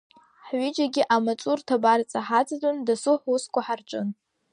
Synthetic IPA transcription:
ħɥɪd͡ʒaɡʲiʔamat͡ʃʼurtʰabart͡sʼaħat͡sʼadʼondasuħʷuskʷaħarʈ͡ʂʷʼʊn

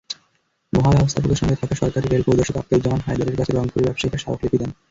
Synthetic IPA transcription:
mɔɦabɛbost̪ʰapok̪eʃɔŋɡet̪ʰakaʃɔɾkaɾiɾeɾpowd̪oʃok̪a̰p̚t̪od͡ʑamanɦajd̪aɾeɾkat͡ɕʰeɾɔŋpoɾibabʃekʰeʃaoklepid̪en

